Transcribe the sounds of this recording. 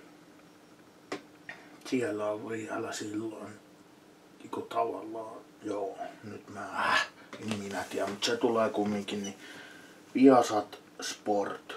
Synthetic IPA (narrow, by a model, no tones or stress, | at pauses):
sielːæoʋʋiæ̰læsilːon | ikot̪ʰɑʋɑ̰lːɑː | joːnyt̪mæːhæ | niimminæt̪iæmut̪set̪uleːkumːiŋkini | ʋiɑsɑt̪ | sport̪